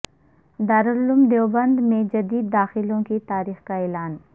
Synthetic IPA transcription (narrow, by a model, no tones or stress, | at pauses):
d̪aːɾʊɾlʊmd̪jeːbɐ̃nd̪mẽd͡ʒɐd̪iːd̪̚ːaːxɪlõkit̪aːɾiːxkaeːlaːn